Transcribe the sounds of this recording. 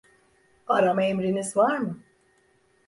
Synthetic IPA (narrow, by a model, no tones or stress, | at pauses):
aɾamaemɾinizvaɾmɯ